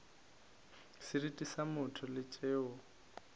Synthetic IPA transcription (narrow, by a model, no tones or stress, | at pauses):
sɪɾitʼisamʊtʰʊlɪt͡ʃʼeːʊ